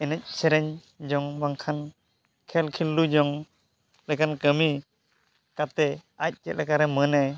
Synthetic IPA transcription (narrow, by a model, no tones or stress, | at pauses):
ɛnɛc̚sɛɾɛɲ | d͡ʒɔŋbaŋkʰan | kʰɛlkʰilːud͡ʒɔŋ | lɛkankəmi | kat̪ɛac̚ˀt͡ʃɛ̰t̪̚lɛkaɾɛmənɛ